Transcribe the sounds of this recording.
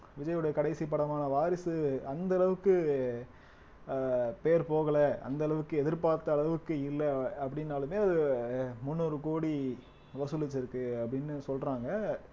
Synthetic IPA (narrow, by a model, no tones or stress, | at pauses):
ʋɪd͡ʒɐjɯɽɐjɐkɐɽɐɪsip̬ːɐɽɐmaːnɐʋaːɾɪsɯɐnd̪ɐːɭɐʋɯkːɯ | peːɾpoːɣɐlɐʔɐ̰nd̪ɐɭɐʋɯkːɯɛðɪɾpaːɾt̪ːɐːɭɐʋɯkːɯɪlːɐːpːɐɽɪnːaːlɯmeːɐðɯmʊnːoɾɯkoːɽi | ʋɐsɯlɪt͡ʃːɪɾɯkːɯɐpːɐɽɪnːɯsɔlrɾaːŋɡɐ